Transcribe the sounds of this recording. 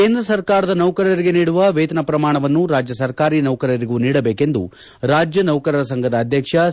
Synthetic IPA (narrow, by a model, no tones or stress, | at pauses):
keːnd̪ɾɐsɐɾkaːɾɐd̪ɐnɐwkɐɾɐɾiɡe̞niːɽuʋɐʋeːt̪ɐnɐpɾɐmaːɳɐʋɐnːuɾaːd͡ʒjɐsɐɾkaːɾiːnɐwkɐɾɐɾiɡuːniːɽɐbeːke̞nd̪ṵ | ɾaːd͡ʒjɐnɐwkɐɾɐɾɐs̬ɐŋɡʱɐd̪ɐːd̪ʱjɐkʂɐ